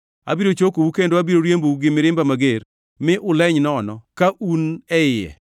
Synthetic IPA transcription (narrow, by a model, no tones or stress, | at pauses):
a̰biɾot͡ʃokowukendoabiɾoɾjembowuɡɪmɪɾɪmbamaɡer | mɪʔʊlɛɲnɔːnɔkaʔunɛɪjɛ̰